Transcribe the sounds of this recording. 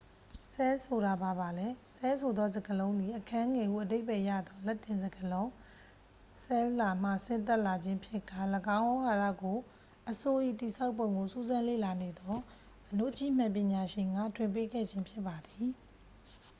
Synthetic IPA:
sɛ˦so˨ɾa˨ba˨ba˨lɛ˦sɛ˦s̬ʰo˨d̪ɔ˦zə˨ɡəlõ˦ʊ̃nd̪i˨ʔəkʰã˦ʔŋɛ˨ʔṵ˦˨ʔəde˦ɪʔpɛ˦˨ja̰˦˨d̪ɔ˦lɛ˦tːɪ̃˨nzəɡəlõ˦ʊ̃ | sɛ˦la˨m̥a̰˦˨sɪ̃˦˨nt̪̬ɛ˦ʔla˨d͡ʑɪ̃˦pʰjɪ˦ka˦˨ləɡã˦ʊ̃ʔõ˦ha˨ɾa̰˦˨ɡo˨ | ʔəso˨ʔḭ˦˨t̪i˨sʰa˦ʊpːõ˨ʊ̃ŋɡo˨su˦zã˦lḛ˦˨la˨ne˨d̪ɔ˦ | ʔəno˦˨ʔt͡ɕḭ˦˨m̥ã˨pjɪ̃˨ɲa˨ʃɪ̃˨ŋɡa̰˦˨tʰwɪ̃˨mp̬e˦ɡɛ̰˦˨d͡ʑɪ̃˦mpʰjɪ˦pːa˨d̪i˨

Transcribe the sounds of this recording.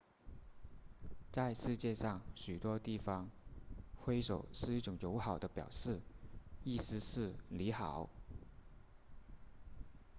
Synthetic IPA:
t͡sa˥˧ɪʂɻ̩˥˧t͡ɕjɛ˥˧ʂɑ˥˩ŋɕy˨˩t̪wɔ˥t̪i˥˩fɑ˥ŋ | xwe˥ɪʂo˨˩˦ʊʂɻ̩˥˧i˥˩ʈ͡ʂʊ˨˩˥ŋjo˧˥ʊxɑ˨˩ʊd̪ə˦pjɑ̰˨˩ʊʂɻ̩˥˩i˥˩sɻ̩˥ʂɻ̩˥˩li˧˥xɑ˨˩˦ʊ

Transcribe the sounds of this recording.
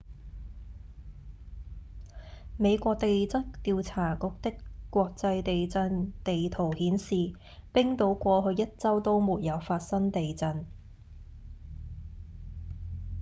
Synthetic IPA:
me˨˧jkʷɔː˧k̚t̪e˨jt͡sɐ˥tt̪iː˧wt͡sʰaː˨˩kʊ˨˥k̚t̪ɪ˥kkːʷɔː˧k̚t͡sɐ˧jt̪e˨jt͡sɐ˧nt̪e˨jt̪ʰo˨˩whiː˨˥nsiː˨ | pɪ˥ŋt̪o˨˥wkʷɔː˧ɦɵ˧ɥjɐ˥t̚t͡sɐ˥wt̪o˥wmuː˨t̚jɐ˨˧wfaː˧t̚sɐ˥ŋt̪e˨jt͡sɐ˧n

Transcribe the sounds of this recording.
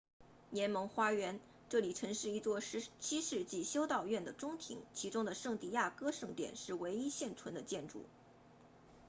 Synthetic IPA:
njɛ˧˥nmɤ˧˥ŋxwa˥ɥɛ˧˥n | ʈ͡ʂɤ˥˩li˨˩ʈ͡ʂʰɤ˧˥ŋʂɻ̩˥˩i˥t͡swɔ˥˩ɻ̩˧˥t͡ɕʰi˥ʂɻ̩˥˧t͡ɕi˥˩ɕjo˥ʊt̪ɑ˥˧ʊɥɛ˥˩nd̪ə˩ʈ͡ʂʊ˥ŋt̪ʰḭ˧˥ŋt͡ɕʰi˧˥ʈ͡ʂʊ˥ŋd̪ə˨ʂɤ˥˧ŋt̪i˥˩ja˥˩kɤ˥ʂɤ˥˩ŋt̪jɛ̰˨˩nʂɻ̩˥˩we˧˥ɪi˥ɕjɛ˥˩nt͡sʰwə˧˥nd̪ə˧t͡ɕjɛ˥˧nʈ͡ʂṵ˥˩

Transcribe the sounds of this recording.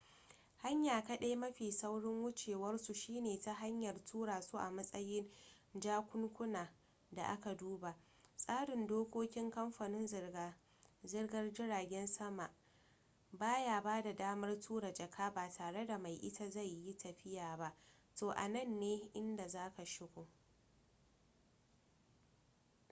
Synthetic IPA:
ha˦ɲjaː˨ka˦ɗe˦mɐ˦ɸiː˨sa˦wɽɪ˦ŋwʊ˦t͡ʃeː˨wɐ˦rsu˨ʃiː˦neː˨ta˦ɦa˦ɲjɐ˨rtʰuː˦ɽaː˨su˦ʔa˨mɐ˦sʼɐ˦jɪ˦n | d͡ʒaː˦kʷʊ˦ŋkʷʊ˦naː˨ | da̰˨ʔa˦ka˨duː˦ba˨ | sʼaː˦ɽɪ˨ndoː˦kʷoː˦kʲɪ˦ŋkɐ˦mɸaː˨nɪ˦n | zɪ˦rɡɐ˦rd͡ʒɪ˦ɾaː˨ɡʲɛ˦nsɐ˦ma˨ʔ | baː˦jaː˨baː˦da˨daː˦mɐ˦rtʰuː˦ɾa˨d͡ʒɐ˨kʰaː˦baː˨tʰaː˨ɽe˦da˨ma˨jʔɪ̰˦ta˦za˦˨jːi˦tɐ˨ɸɪ˦jaː˨ba˦ | toː˨ʔa̰˨nɐ˦˨nːeː˦ʔɪ˦nda˨zaː˦ka˨ʃɪ˦ɡʷo˨

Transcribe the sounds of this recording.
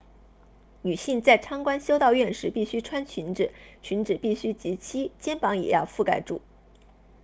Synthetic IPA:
ny˨˩ɕi˥˧ŋt͡sa˥˩ɪʈ͡ʂʰɑ˥ŋkwa˥nɕjo˥ʊt̪ɑ˥˧ʊɥɛ˥˩nʂɻ̩˧˥pi˥˩ɕy˥ʈ͡ʂʰwa˥nt͡ɕʰy˧˥nʈ͡ʂɻ̩˨˩˦t͡ɕʰy˧˥nʈ͡ʂɻ̩˨˩pi˥˩ɕy˥t͡ɕi˧˥t͡ɕʰi˥t͡ɕjɛ˥npɑ˧˥ŋjɛ̰˨˩jɑ˥˧ʊfu˥˩ka˥˩ɪʈ͡ʂṵ˨˩˦

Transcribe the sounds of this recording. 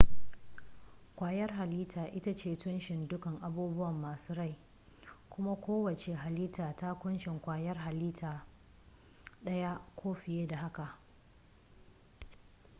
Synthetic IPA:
kʷaː˨jɐ˦rɦa˨liː˦tʰaː˨ʔɪ˦ta˦t͡ʃeː˦˨tʊ˦nʃɪ˨ndʊ˦kɐ˨ŋʔa˨buː˦bʊ˦wɐ˨mːaː˨suː˦ɽa˦˨j | kʷʊ˦ma˦kʷoː˦wɐ˨t͡ʃe˨ɦa˨liː˦taː˨ta˦kʷʊ˦nʃɪ˨ŋkʷaː˨jɐ˦rɦa˨liː˦tʰaː˨ | ɗɐ˦ja˦kʷʰoː˦ɸɪ˨jeː˦da˨ɦa˦ka˨ʔ

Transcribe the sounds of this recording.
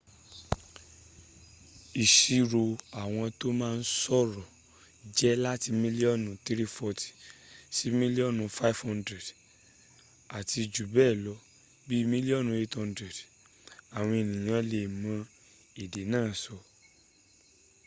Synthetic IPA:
i˨ʃi˧ɾo˧a˨w̃ɔ̃˧to˦mãː˦˧n̩˦sɔ˦˨ɾɔ˨ | d͡ʒɛ˦la˦ti˧mĩ˦li˦ɔ˦˨nũ˨ti˦ɾi˦fɔ˧ti̥˨si˨˦mĩ˦li˦ɔ˦˨nũ˨˧fa˦˨fhã˦ndɾɛ˨d | a˨ti˧d͡ʒu˨bɛ˦˨lɔ˧˦ | bi˦mĩ˦li˦ɔ˦˨nũ˨e˨˦thã˧ndɾɛ˨d | a˨w̃ɔ̃˧e˨nĩ˨j̃ã˧˦le˨mã˧˦ | e˨de˨˦nãː˦˨sɔ˧

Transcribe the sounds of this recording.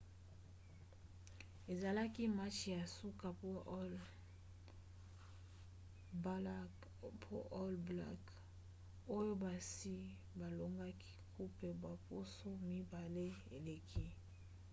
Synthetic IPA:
e˨za˨la˦ki˦ma˦t͡ʃi˨ja˨su˦ka˨p | pʰo˦ʔɔ˦lbla̰˦k | o˦jo˦ba˨si˦ | ba˨lo˨ŋɡa˦kʰi̥˦kʰu˦pe˨bwa˨po˦so˦mi˦ba˨le˦ḛ˨le˨kʰi˦

